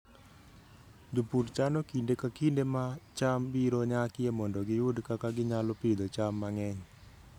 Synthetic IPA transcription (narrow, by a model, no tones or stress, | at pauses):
d̪upuɾt͡ʃanɔkindekakindemat͡ʃambiɾoɲakɪjemɔndɔɡɪʊdkakaɡɪɲalɔpid̪ot͡ʃamːaŋɛɲ